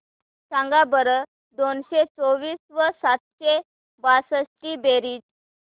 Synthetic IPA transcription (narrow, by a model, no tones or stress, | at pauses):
ɕãŋɡabəɾə | d̪onɕet͡soʋiːsʋəsat̪ɕe | basəsʈiːbeɾiːd͡ʑ